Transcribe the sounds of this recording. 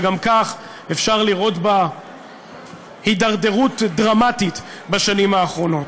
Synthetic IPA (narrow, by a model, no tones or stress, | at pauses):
ɡamkaχ | efʃaʁliʁo̞tba | hidaʁde̞ʁutdʁamatit̪ | baʃanimhaːχʁo̞no̞t